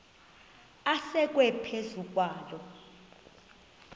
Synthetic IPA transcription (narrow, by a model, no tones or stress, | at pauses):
asɛk̬ʼwɛpʰezuk̬ʼwaːlɔ